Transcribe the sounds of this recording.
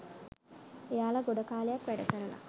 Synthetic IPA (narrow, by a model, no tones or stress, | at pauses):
ejaːlaɡoɖəkaːlejakʋæɖəkəɾəna̰